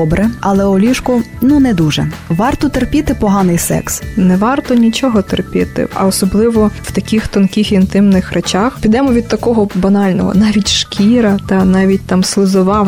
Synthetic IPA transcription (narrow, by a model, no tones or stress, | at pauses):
ɔbɾɛɐlˠɛɔlʲiʃkʊ | nunɛd̪uʒɛ̰ʋɑrt̪ɔt̪erpʲit̪ɪpɔɦɑnɪjsɛ̰ksnɛʋɑrt̪ɔnʲit͡ʃɔɦɔt̪erpʲɪt̪ɪ̰ɐ̰ɔsɔblˠɪʋɔw̥t̪ɐkʲixt̪ɔnkʲixint̪ɪmnɪxrʔet͡ʃaxpʲid̪ɛmɔʋʲid̪̚t̪ɐkɔɦɔbɐnɑlʲnɔɦɔ̰nɑʋʲitʲʃkʲiɾɐt̪ɑnɑʋʲit̚ʲt̪ɑmslˠɪzɔʋɑw